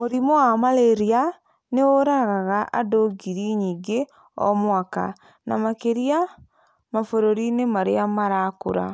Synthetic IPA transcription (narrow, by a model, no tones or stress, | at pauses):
moɾimɔwamaleɾia | neoɾaɣaɣaʔadoɡiɾiɲiːɡe | ɔ̰mwaka̰ | na̰makeɾia | mafoɾoɾinemaɾeamaɾakoɾa̰